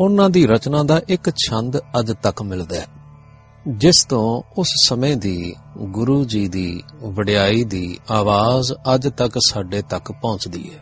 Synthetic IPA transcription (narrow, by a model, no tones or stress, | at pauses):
ʊnãːd̪iːɾət͡ʃnãːd̪aːʔɪkt͡ʃʰə̃nd̪əd͡ʒt̪əkmɪld̪aː | d͡ʒɪst̪õːʊssəmẽːd̪iː | ɡʊɾuːd͡ʒiːd̪iːʋəɽɪjaːiːd̪iːaːʋaːzəd͡ʒt̪əksaːɖeːt̪əkpɔ̃ːt͡ʃd̪ḭːɛː